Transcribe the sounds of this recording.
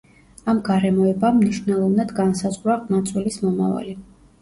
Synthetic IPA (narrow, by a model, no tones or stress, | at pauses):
amɡaɾɛmɔɛbamniʃnɛlˠɔvnad̪ɡansazʁwɾaʁnat̪sʼwɛlismɔma̰va̰li